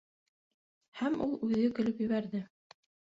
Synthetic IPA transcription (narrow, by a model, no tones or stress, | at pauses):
hæmṵlˠʉðɘkɵ̆lɵpjɘ̆βæɾðɘ